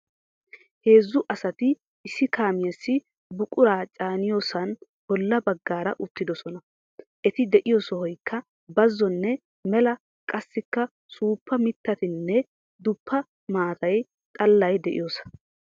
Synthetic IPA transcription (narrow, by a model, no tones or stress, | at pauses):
he̞ːzːʊʔɐsɐt̪ɪ | ɪsːɪkaːmɪjɐsːɪ | bʊkʼʊɾaːt͡ʃʼaːnɪjoːsɐn | b̥ɔlːɐbɐɡːaːɾɐʔʊt̪ːɪd̪ɔsɔnɐ | ʔɛt̪ɪd̪ɛʔɪjɔsɔhɔjkʰːɐ | bɐzːɔnːɛ | mɛlɐ | kʼɐsːɪkːɐ | suːpːɐmɪt̪ːɐt̪ɪnːɛ | d̪ʊpʰːɐ | maːt̪ɐj | t̪ʼɐlːɐjd̪ɛʔɪ̰joːsɐ̥